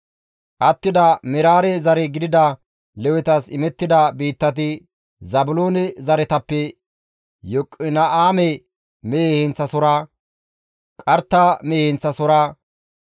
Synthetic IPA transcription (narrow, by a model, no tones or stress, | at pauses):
ʔɐt̪ːɪd̪ɐmɛɾaːɾɛzɐɾɛɡɪd̪ɪd̪ɐ | lɛwɛt̪ɐsɪmɛt̪ːɪd̪ɐbiːt̪ːɐt̪̬ɪ | zɐbʊloːnɛzɐɾɛt̪ɐpːɛ | jɔkʼːɪnɐʔaːmɛ | meːhɛnt͡sːɐsɔɾa | kʼɐɾt̪ːameːhɛnt͡sːɐsɔɾaː